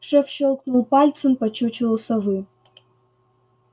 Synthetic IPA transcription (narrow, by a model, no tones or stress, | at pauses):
ʂɐfɕolˠknulˠpalʲt͡sʰɨnpɐt͡ɕʰut͡ɕʰɪvɐlˠsɐvɨ